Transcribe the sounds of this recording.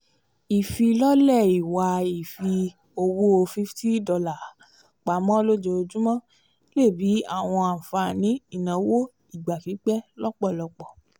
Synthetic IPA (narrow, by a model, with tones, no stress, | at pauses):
i˨fi˧lɔ˦lɛ˦˨i˨wa˧i˨fi˧ | o˧wo˦o˧fi˦fti˦dɔ˧la˨˦ | k͡pa˨˦mɔ̃˦lo˦d͡ʒo˧o˧d͡ʒũ˦mɔ̃˦ | le˦˨bi˨˦a̰˦˨w̃ɔ̃˧a˨fa˧nĩ˨˦i˦˨nã˨˦wo˦ | i˦˨ɡ͡ba˨fi˨˦k͡pɛ˦lɔ˦k͡pɔ˦˨lɔ˧k͡pɔ˨